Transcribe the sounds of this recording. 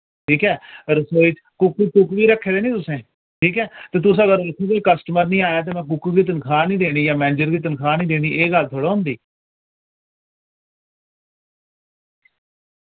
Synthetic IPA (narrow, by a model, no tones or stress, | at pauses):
ʈʰiːkɛːɾəsoːit͡ʃ | kʊkikʊkʋiːɾəkʰːeːd̪eːnĩːt̪ʊsẽː | ʈʰiːkɛːt̪ẽːt̪ʊsəɡəɾɾəkʰukoikəsʈəməɾnĩːaːjaːt̪̬eːmɛ̃ːk̬ʊkːɡiːt̪̬ənkʰaːnĩːd̪eːɽ̃iːjãːmɛːnɪd͡ʒəɾɡiːt̪̬ənkʰaːnĩːd̪eːɽ̃iːʔeːɡəlt̪ʰoːɽaːʊ̃nd̪iː